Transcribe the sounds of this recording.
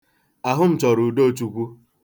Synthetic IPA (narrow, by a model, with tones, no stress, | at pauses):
a˨ɦʊ˦m̩˦t͡ʃɔ˨ɾu˨do˦˨t͡ʃu˦kʷu˦